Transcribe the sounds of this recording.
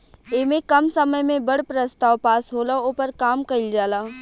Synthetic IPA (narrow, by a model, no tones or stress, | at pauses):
eːmẽkɐmsɐməjmẽbɐɽpɾəst̪aːwpaːsɦoːlaoːpəɾkaːmkɐɪld͡ʒaːlaː